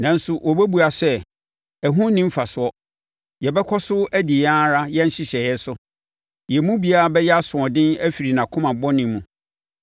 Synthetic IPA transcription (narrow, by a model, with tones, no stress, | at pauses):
nã˨n̩˦sʊ˨ʔɔ˨bæ˦bu˨a˨sɛ˦ | ɛ˨ɦũ˦nĩ˦m̩˦fa˨sʊ˨˦ɔ˦ | jɛ˨bɛ˦kʰɔ˦sʊ˦ʔæ˦di˨jã˦ɾa˦jɛ˦n̩˦ɕɪ˦ɕɛ˨jɛ˦sʊ˦ | jɛ˨mũ˦bi˨a˦ɾa˨bɛ˦jɛ˦a˦sʊ̃˨ɔ̃˨dɪ̃˦næ˦fi˨ɾi˨nã˨kʰʊ̃˦mã˨bɔ˦nɪ̃˨˦mũ˨